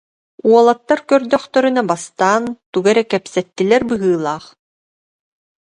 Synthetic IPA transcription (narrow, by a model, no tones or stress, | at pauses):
uɔlˠat̪ːaɾkœɾd̪œχt̪œɾynabast̪aːnt̪uɡɛɾɛkɛpsɛt̪ːilɛɾbɯɦɯːlˠaːχ